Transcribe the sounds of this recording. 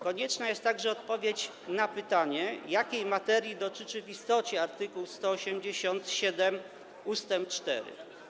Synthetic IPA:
kɔɲɛt͡ʂnajɛst̪ːaɡʐɛɔt̪̚pɔvʲjet͡ɕ | napɘt̪aɲɛjakʲejmat̪ɛɾʲjid̪ɔt͡ʂɘt͡ʂɘvist̪ɔt͡ɕɛaɾt̪ɘkuwst̪ɔːɕɛmd͡ʑeɕɔnt̪ɕɛd̪ɛm | ust̪ɛmpt͡ʂt̪ɛ̰ɾɘ̰

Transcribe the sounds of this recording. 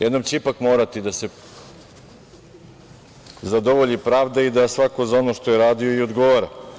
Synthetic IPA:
jed̪nomt͡ɕeipakmoːɾat̪id̪ase̞ | zad̪o̞ʋoʎipɾaːʋd̪aid̪asʋako̞zao̞no̞ʃt̪o̞jeɾaːd̪ioio̞d̪ɡo̞ʋaɾa

